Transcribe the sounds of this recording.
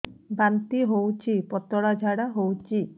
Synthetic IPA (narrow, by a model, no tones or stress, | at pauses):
bant̪iɦowt͡ʃʰipɔt̪ɔɽad͡ʒʱaɽaɦowt͡ʃʰi